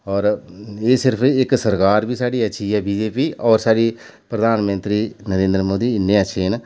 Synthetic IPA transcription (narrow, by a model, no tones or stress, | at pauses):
ɔːɾeːsɪɾpʰɪksəɾkaːɾbiːsaːɖiːətːʃʰiːɛːbiːd͡ʒeːpiːɔːɾsaːɽiː | pɾəd̪aːnmə̃nt̪ɾiːnəɾẽːnd̪ɾəmoːd̪iːɪnːẽːətːʃʰeːn